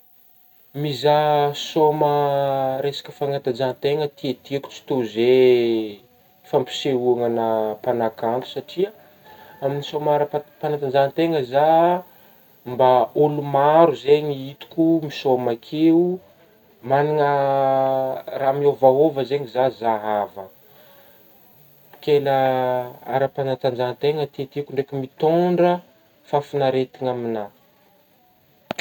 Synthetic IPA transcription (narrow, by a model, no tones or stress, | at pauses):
mizasoməɾesḁkʲə̥faŋat̪ad͡ʒant̪eŋət̪iet̪iku̥t͡si̥t̪oze | fampi̥seuaŋənəpanakampu̥saʈ͡ʂia | aminisomaɾəpanat̪ad͡ʒant̪eŋəza | mbaolumaɾuzeɲiit̪u̥kʲumisomakʰeu | maniŋə | ramiovaɦovəzeɲizazaɦavə | kelə | a̰ɾəpanat̪and͡ʒat̪eŋət̪et̪ikʲuɳɖ͡ʐekʲumit̪oɳɖ͡ʐə | fafinaɾet̪iŋamina